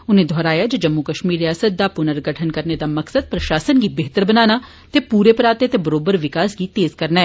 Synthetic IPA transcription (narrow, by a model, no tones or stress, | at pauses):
ʊnẽd̪ʱɔːɾaːjad͡ʒod͡ʒɐmːukəʃmiːɾjaːsət̪̚d̪apʊnəɾɡəʈʰənkəɾned̪amɐksəd̪̚pɾɐʃaːsənɡibeɦt̪əɾbənaːna | t̪epuːɾepəɾaːt̪et̪ebɐɾoːbəɾʋɪkaːsɡit̪eːzkɐɾnaɛː